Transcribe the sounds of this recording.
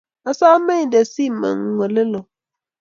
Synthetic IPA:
a˦sa˦mə˦ɲ˨də˨si˦˨mə̰˨ŋ˨ŋʷə˨lə˦lo˨

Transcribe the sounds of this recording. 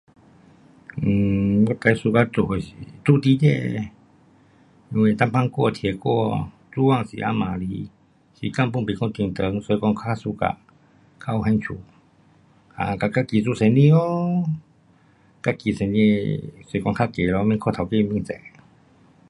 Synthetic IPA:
bɔ˧˦˨t̪a˧jsu˧ka˧˨t̪u˧˨ho˨sḭ˧˨t̪u˧˨t̪i˧˦dɛ˧˨ | nu˧we˧˨t̪a˧˥mpʰa˧˨ŋkɔ˧˨t̪ʰi˨ə˨kɔ˥˧˨ | t͡su˧˦wa˧˨sḭ˨ʔa̰˧˥mã˨li˧˦ | sḭ˨˦ka˧˨mp̬u˧˨ŋpi˨kʰɔ˧˨t̪i˨ŋt̪ə˨˧˦ŋsə˨˦jkɔ˧ŋkʰaː˧˥˨su˧ka̰˧˨ | kʰa˧˨whɛ˧˦ŋt͡ʃʰṵ˧˦ | a̰˧˨ka˧˩ka˧˥ki˨su˧˨se˨˦nĩ˧˨o˦ | ka˧˥ki˨se˨˦ne˧sə˨˦kɔ˧ŋkʰa˧˥˨ke˨lɔ˧˦mi˧˨kʰɔ˧˨t̪ʰa˨˩wke˧˨˧mi˧˨ŋt͡sɛ̰˧˨

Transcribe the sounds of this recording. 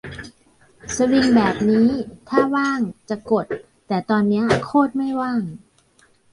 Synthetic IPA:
sa˧wi˧ŋbɛː˨˩p̚niː˦˥t̪ʰaː˥˩waː˥˩ŋt͡ɕa˨˩ko˨˩t̪̚ː | ɛː˨˩t̪ɔː˧nːi˦˥ɐkʰoː˥˩t̪̚ma˥˩jwaː˥˩ŋ

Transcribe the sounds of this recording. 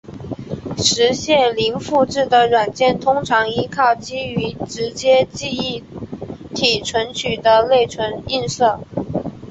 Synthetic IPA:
ʂɻ̩˧˥ɕjɛ˥˩nli˧˥nfu˥˧ʈ͡ʂɻ̩˥˩d̪ə˩ɻwa˨˩nt͡ɕjɛ˥˩nt̪ʰʊ˥ŋʈ͡ʂʰɑ˧˥ŋi˥kʰɑ˥˩ʊt͡ɕi˥y˧˥ʈ͡ʂɻ̩˧˥t͡ɕjɛ˥t͡ɕi˥˧i˥˩ | t̪ʰi˨˩ʈ͡ʂʰwə˧˥nt͡ɕʰy˨˩d̪ə˦le˥˩ɪʈ͡ʂʰwə˧˥ni˥˧nsɤ˥˩

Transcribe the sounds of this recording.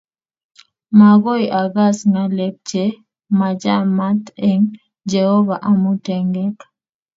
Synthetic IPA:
ma˨ɡɔ˦iʔa˨ɡa˦sŋa˨lɛ˦k̚t͡ʃe˦ | ma˨d͡ʒa˦ma˦t̪ɛ˦ŋ | d͡ʒɛ˨hɔ˦va˨ʔa˨mu˦tɛ˨ŋɡɛ˦k

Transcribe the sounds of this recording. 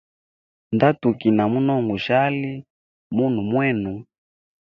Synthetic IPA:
nda˦tu˨ki˨na˨mu˦nɔ˦˨ŋɡu˨ʃa˦li˦ | mu˦n̤u˨mwɛ˦˨nu˨

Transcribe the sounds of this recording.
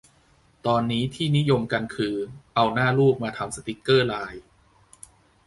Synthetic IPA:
t̪ɔː˧nːiː˦˥t̪ʰiː˥˩ni˦˥jo˧mka˧nkʰɯː˧ʔa˧wnaː˥˩luː˥˩k̚maː˧t̪ʰa˧msa˧t̪i˦˥kːɤː˥˩laː˧j

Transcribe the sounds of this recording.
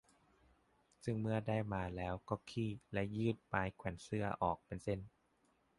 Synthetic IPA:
sɯ˧˥˩ŋmɯ˥˩ɐda˥˩jmaː˧lɛː˦˥wkɔː˥˩kʰiː˧˩lɛ˦˧˥jɯː˥˩t̪̚paː˧jkʰwɛː˩˦nsɯ˥˩ɐʔɔː˨˩k̚pe˧nse˥˩n

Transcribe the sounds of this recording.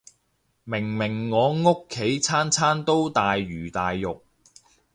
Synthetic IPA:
mɪ˨˩ŋmɪ˨˩ŋːɔː˨˧ŋʊ˥kʰːe˨˥jt͡sʰaː˥nt͡sʰaː˥nt̪o˥wt̪aː˨jɥyː˨˩t̪aː˨jːʊ˨k̚

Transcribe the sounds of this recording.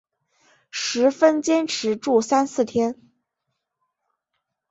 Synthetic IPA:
ʂɻ̩˧˥fə˥nt͡ɕjɛ˥nʈ͡ʂʰɻ̩˧˥ʈ͡ʂu˥˩sa˥nsɹ̩˥˩t̪ʰjɛ˥n

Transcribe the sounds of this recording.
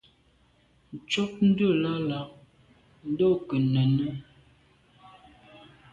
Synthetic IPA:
t͡ʃɔ˦p̚n̩˦də˦˨la˦la˨ʔ̚ | n̩˦dɔ˦˨kə˨nə˨nə˦

